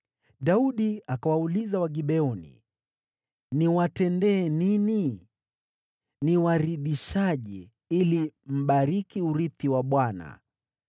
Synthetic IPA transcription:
ɗauɗiakawaulizawaɡiɓɛɔnḭ | niwatɛndɛːnini | niwaɾiɗiʃaʄi | ilim̩ɓaɾikiuɾiθiwaɓwana̰

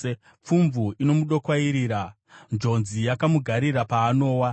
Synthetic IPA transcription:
p͡fuɱvuino̞muɗo̞kwaiɾiːɾa | nd͡ʒo̞nzijakamuɡʱaɾiɾapaːno̞ːwa

